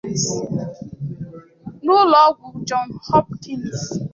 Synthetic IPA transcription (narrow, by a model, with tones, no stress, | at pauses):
nʊ˦lɔ˦ɡʷʊ˨d͡ʒɔ˨nhɔ˦p̚ki˦ns